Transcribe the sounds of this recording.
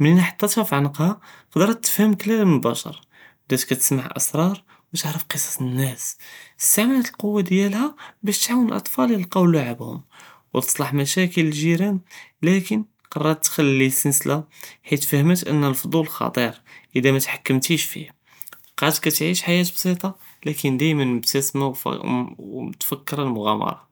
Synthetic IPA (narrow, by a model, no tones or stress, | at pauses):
məninaħɑ̥t̪ˤːɑt̪hæfiʕanqhɑqd̪ɾˤɑt̪ːə̥fhəmklælmənəlbæ̰ʃɑ̰ɾˤ | d̪æt̪kːæt̪əsmaʕʔə̰sɾˤɑɾˤ | wt̪əʕɾəfqəsˤɑ̥nːæsəst̪aʕmænæt̪əlqowːad̪jælhæbæʃt̪ʕawənəlʔɑ̰t̪ˤfɑləəlqɑwlːaʕəbhʊ̰mwt̪ə̥sˤlɑħmæʃækələlʒiɾænlækən | qɑrˤːɑɾt̪ːxælːisənslʔaħit̪fæhmət̪ʔə̰nːəlfod̪ˤulxɑ̰t̪ˤiɾʔəd̪æmæt̪ħakːəmt̪iʃfḭh | qɑt̪kæt̪ʕiʃħajæt̪̚bsˤit̪ˤɑ | lækənd̪æjmənməbt̪æsmaw̰ | t̪fækːəɾəlmʊɣæ̰mɑ̰ɾˤɑ